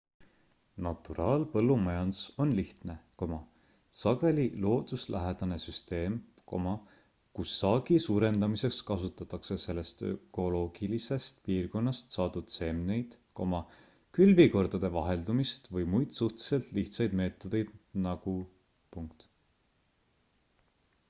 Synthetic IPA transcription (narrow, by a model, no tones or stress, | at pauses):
nɑt̪ːˑuɾɑːlpɤlːumɑjɑnd̪so̞nliht̪ne̞ko̞mɑ | sɑɡ̥e̞lilo̞ːd̪uslʔæɦed̪̥ɑne̞syst̪e̞ːm | ko̞̰mɑ | kusːɑːɡ̥isuːɾe̞nd̪ɑmise̞kskɑsut̪ːˑɑt̪ːˑɑkse̞se̞lːe̞st̪ø̞̰ko̞lo̞ːɡ̥ilise̞st̪piːrko̞nːɑst̪sɑːd̪ud̪̥se̞mne̞jd̪̥ko̞̰mɑ | kylviko̞rd̪̥ɑd̪̥e̞vɑɦe̞ld̪̥umist̪vɤjmujd̪̥suht̪i̥se̞lt̪liht̪sɑjd̪̥me̞ːt̪ːˑod̪̥e̞jd̪̥nɑɡ̥u | puŋk̚t̪